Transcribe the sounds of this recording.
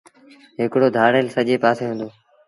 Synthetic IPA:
ɦɪkɽoːd̪ʱaːɽeːlsəʄeːpaːseːɦũːnd̪oː

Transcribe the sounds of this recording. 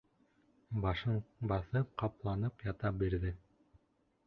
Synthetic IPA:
bɑʃɤɴbɑθɤp̚qɑplˠɑnɤpjɑt̪ɑbiɾðɘ

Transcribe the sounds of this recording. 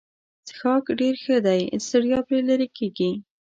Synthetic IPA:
səxɑkɖeɾxəd̪ajsəɽjɑpɾelaɾekeɡi

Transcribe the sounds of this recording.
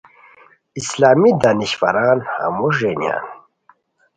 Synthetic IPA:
islaːmid̪aniɕfa̰ɾaːnha̰muʂenja̰ːn

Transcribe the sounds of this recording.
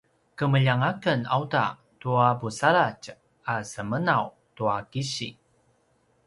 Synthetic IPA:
kəməʎaŋakəna̰wta̰ | tuabusalac | asəmənaw | tuakiɕḭ

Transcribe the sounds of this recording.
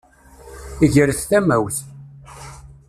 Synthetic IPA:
iʝəɾθθæmæwθ

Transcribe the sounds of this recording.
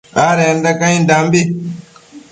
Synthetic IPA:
aɾɛndakaɲindambi

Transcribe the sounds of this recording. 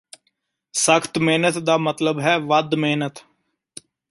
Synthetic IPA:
səkʰt̪meːnət̪d̪aːmət̪ləbɦɛːʋəd̪meːnət̪

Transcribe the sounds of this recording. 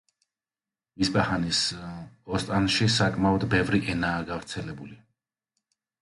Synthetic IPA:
isbahanisɔst̪ʼanʃisakʼmaɔd̪bɛvɾiʔɛnaːɡavɾt̪sʰɛlɛbuli

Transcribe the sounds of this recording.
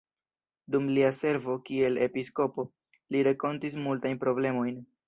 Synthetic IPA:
dumliase̞ɾvo̞kie̞le̞pisko̞po̞ | liɾeko̞ntis̬multajnpɾo̞ble̞mo̞jn

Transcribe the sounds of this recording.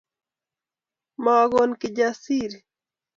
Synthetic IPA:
maɡonkɪd͡ʒasiɾ

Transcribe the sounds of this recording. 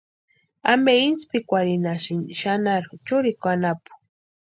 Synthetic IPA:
ameinspikʷaɾinaʃinʃanaɾt͡ʃʊɾikʷanapu̥

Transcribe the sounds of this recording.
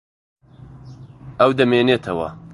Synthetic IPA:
ɐwd̪ɐmeːneːt̪ʰɐwɐ̰

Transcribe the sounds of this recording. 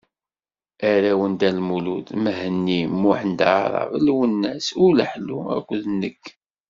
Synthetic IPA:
æɾæwənd̪ælmuluðməɦənːimːuħənd̪aɾˤɑ̰vəlwənːæsʊləħluæ̰kʷːðnːəkː

